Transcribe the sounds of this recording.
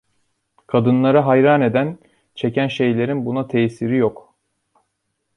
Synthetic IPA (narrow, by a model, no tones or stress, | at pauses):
kʰad̪ɯnlˠaɾaɦajɾaːne̞d̪æn | t͡ʃʰe̞cʰænʃe̞jlʲe̞ɾinbunat̪ʰejːsiɾijok